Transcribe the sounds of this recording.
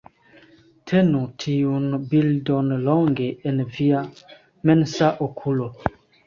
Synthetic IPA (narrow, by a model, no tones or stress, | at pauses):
tʰɛnutʰiunbildɔnəlɔŋɡeɛnəvia | mɛnsaʔokʰulo